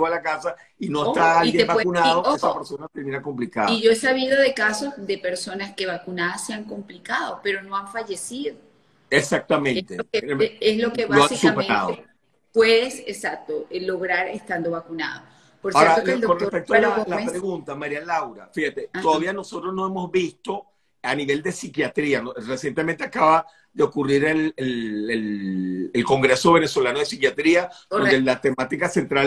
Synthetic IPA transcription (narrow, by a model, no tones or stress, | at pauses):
oalakasa | inoest̪aalijeebawekunaðokesapeɾsonat̪eɾmĩnakomplika̰ðiʝoesaβiðoðe̞kaso̞zðe̞pe̞ɾso̞naske̞βakunaðasːeaŋko̞mplikaðo̞pe̞ɾo̞no̞aɱfaʝe̞siðo | esak̚t̪amẽnt̪eeeslokeβloasisumpeẽɾa̰ðoe | pweðesesak̚t̪oelo̞ɣɾaɾest̪and̪o̞βakuna̰ðo̰ | poɾaoɾaokonrespek̚t̪oaalapɾeɣunt̪amaɾialawɾafihat̪et̪oðaβiano̞so̞t̪ɾosno̞e̞mo̞zβist̪o̞ | aniβe̞ld̪e̞sikjat̪ɾianoresje̞nt̪emẽnt̪eakaβa | ðeokuriɾelelelelko̞ŋɡɾe̞so̞βe̞ne̞so̞lanoðesikjat̪ɾiad̪ond̪elat̪e̞mat̪ikasent̪ɾal